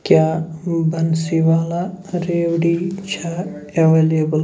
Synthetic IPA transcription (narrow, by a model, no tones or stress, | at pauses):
kjaːbɐnsiʋaːlaɾeːwɽit͡ʃʰaeʋeːlebəl